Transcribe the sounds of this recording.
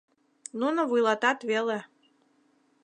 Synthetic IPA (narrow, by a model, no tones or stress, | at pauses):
nunoβujlɑt̪ɑt̪βele